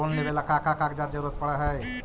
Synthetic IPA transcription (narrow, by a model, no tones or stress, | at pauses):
onːebelakakakãkd͡ʒaɾd͡ʒəɾuɾət̪̚pəɽɛɦəj